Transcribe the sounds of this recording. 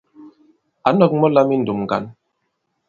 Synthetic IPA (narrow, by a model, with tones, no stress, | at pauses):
a˨˦nɔ˨k̚mɔ˦la˦mi˦n̩˨du˨mŋ˨ɡa̰˨˦n